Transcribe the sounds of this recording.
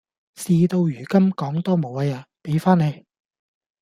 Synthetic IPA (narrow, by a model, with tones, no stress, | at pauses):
siː˧t̪o˧wjyː˨˩kɐ˥mkɔː˨˥ŋt̪ɔː˥mo˨˥wa˧jaː˧pe˨˥jfaː˥ne˨˧j